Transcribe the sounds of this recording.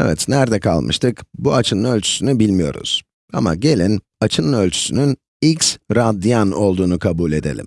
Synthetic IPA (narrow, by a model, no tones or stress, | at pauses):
ɛvɛt̪næɾd̪ɛkʰa̰lˠmʔɯ̰ʃt̪ʰɯkbuat͡ʃʰɯnɯnø̞lʲt͡ʃʰy̥synybilʲmijo̞̰ɾṵz̥ | a̰ma̰ɟe̞lʲin | at͡ʃʰɯnɯnølʲt͡ʃʰy̥synyn | iksɾad̪ːijano̞lˠd̪uːnukʰabuːlʲe̞d̪e̞lʲḭm